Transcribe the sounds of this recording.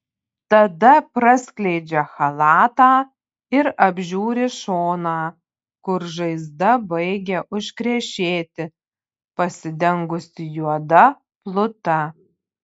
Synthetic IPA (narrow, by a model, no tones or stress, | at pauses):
t̪ɐd̪ɐpɾɐsʲklʲɛɪd͡ʒʲɛxɐlˠɑːt̪ɑː | ɪɾɐbʲʒʲuːɾʲɪʃoːnɑː | kʊɾʒɐɪzd̪ɐbɐɪɡʲɛʔʊʃʲkɾʲɛʃʲeːt̪ʲɪ | pɐsʲɪd̪ʲɛŋɡʊsʲɪjuɔd̪ɐ | plˠʊt̪ɐ